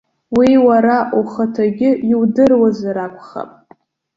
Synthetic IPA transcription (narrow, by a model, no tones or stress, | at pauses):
wiwaɾaʔuχatʰaɡʲɪiwdɨrwazaɾakʷʰʼχa̰pʼ